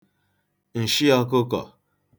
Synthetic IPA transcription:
n̩˨ʃi˦ja˧˦ko˦kɔ̰˨

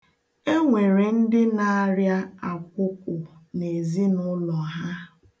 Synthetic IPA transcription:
e˦ŋʷe˨ɾe˨n̩˦dɪ˦na˨a˦ɾja˦a˨kʷʊ˦kʷʊ˨ne˨zi˦nʊ˦lɔ˨ɦa˦

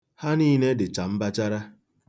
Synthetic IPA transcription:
ha˦niː˦˨ne˦dɪ˨t͡ʃa˨m̩˦ba˦t͡ʃa˦ɾa˦

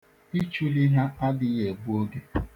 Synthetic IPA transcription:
i˦t͡ʃu˦li˦ɦa˦a˦dɪ˦e˨bu˦o˦ɡe˨

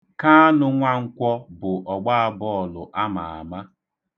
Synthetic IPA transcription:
ka˦a˦nʊ˦ŋʷa˦ŋ̩˦kʷɔ˦bʊ˨ʔɔ˨ɡ͡ba˦a˦bɔ˦˨lʊ˨ʔa˦ma̰˨a̰˨ma˦

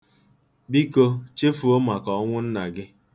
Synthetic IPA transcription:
bi˦ko˦t͡ʃe˦fu˨o˦ma˨kɔ˨˦ŋʷʊ˦n̩˦na˨ɡɪ˦

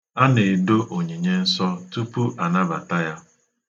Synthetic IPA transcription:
a˦ne˨do˦ʔo˨ɲi˨ɲe˦n̩˦sɔ˦tu˦pu˦ʔa˨na˦ba˨ta˦ja˦

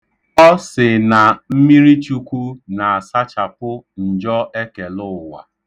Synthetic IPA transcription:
ɔ˦sɪ˨na˨m̩˦mi˦ɾi˦t͡ʃu˦kʷu˦na˨a˨sa˦t͡ʃa˨pʊ˦n̩˨d͡ʒɔ˦e˦ke˨lʊ˦˨wa̰˨

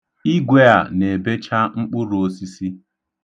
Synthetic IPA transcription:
i˦ɡʷe˦a˨ne˨be˦t͡ʃa˦ŋ͡m̩˦k͡pʊ˦ɾo˦si˦si˦

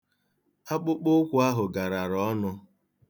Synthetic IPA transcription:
a˦k͡pʊ˦k͡pʊ˦kʷʊ˦a˦ɦʊ˨ɡa˨ɾa˨ɾɔ˨˦nʊ˦

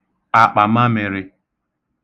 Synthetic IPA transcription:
a˨k͡pa˨ma˦mɪ˨ɾɪ˦

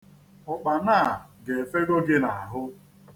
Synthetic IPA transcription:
ʊ˨k͡pa˨na˦˨ɡe˨fe˦ɾo˦ɡɪ˦na˨a˨ɦʊ˦

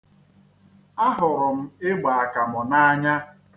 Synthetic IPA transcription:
a˦ɦʊ˨ɾʊ˨m̩˦e˦ɡ͡ba˨a˨ka˨mɔ˨na˦a˦ɲa˦

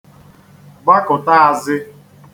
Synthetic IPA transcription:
ɡ͡ba˦kʊ˨ta˦a˨zɪ˦

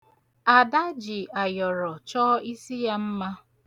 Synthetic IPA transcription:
a˨da˦d͡ʒi˨a˨jɔ˨ɾɔ˨t͡ʃɔ˦i˦si˦ja˦m̩˦ma˦

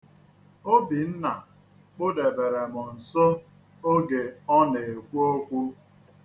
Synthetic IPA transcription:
o˦bi˨n̩˦na˨ | k͡pʊ˦de˨be˨ɾe˨mʊ˨n̩˨so˦ | o˦ɡe˨ɔ˦ne˨e˨kʷu˦o˦kʷu˦

